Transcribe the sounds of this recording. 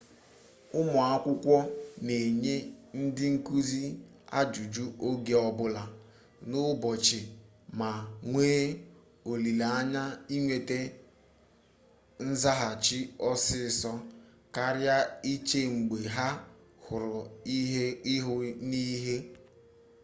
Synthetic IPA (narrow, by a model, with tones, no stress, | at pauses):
ʊ˦mʊ˨a˦kʷʊ˦kʷɔ˦ne˨ɲe˦n̩˦dɪ˦ŋ̩˦ku˦zi˦ | a̰˦d͡ʒu˨d͡ʒu˦ʔo˦ɡe˨ɔ˦bʊ˦la˨ | nʊ˦bɔ˨t͡ʃɪ˨ | ma˨ŋʷeː˦ | o˨li˨la˦ɲa˦i˦ŋʷe˨te˦ | n̩˦za˦ɦa˨t͡ʃi˦ɔ˦sɪ˦˨sɔ˦ | ka˦ɾja˦i˦t͡ʃe˦ŋ͡m̩˨ɡ͡be˨ɦa˦ | hʊ˨ɾʊ˨i˦ɦe˦ɦʊ˦ni˦ɦe˦